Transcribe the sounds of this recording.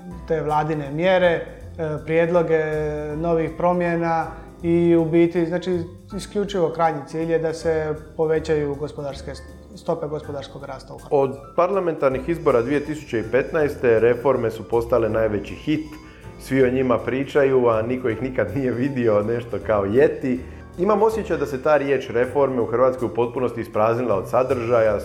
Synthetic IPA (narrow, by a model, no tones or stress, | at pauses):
t̪e̞ːʋlˠaːd̪ine̞mjeɾe̞ | pɾjed̪lo̞ɡe̞no̞ʋixpɾo̞mjena | iubiːt̪iznaːt͡ʃi | iskʎʲut͡ʃiʋo̞kɾaːjɲit̪siːʎjed̪ase̞po̞ʋe̞t͡ɕajuɡospod̪aɾske̞ | st̪o̞pe̞ɡospod̪aɾsko̞ɡɾaːst̪auod̪paɾlame̞nt̪aɾnixizbo̞ɾad̪ʋije̞t̪isu̥t͡ɕeipe̞t̪najst̪e̞ɾe̞fo̞ɾme̞supo̞st̪ale̞naːjʋe̞t͡ɕixit̪ | sʋioɲimapɾiːt͡ʃajuaniko̞ixnikad̪nije̞ʋid̪io̞ne̞ʃt̪o̞kao̞je̞t̪i | imamo̞sje̞t͡ɕajd̪ase̞t̪aːɾjeːt͡ʃɾe̞fo̞ɾme̞uxr̩ʋaːt̪skojupo̞t̪̚puno̞st̪iːspɾaːznilˠao̞d̪sad̪r̩ʒaja